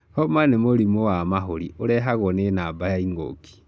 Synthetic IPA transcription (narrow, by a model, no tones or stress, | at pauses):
hɔmanemoɾimowamaɦoɾioɾɛɦaɣwɔnenabajaiŋɡo̰ki̥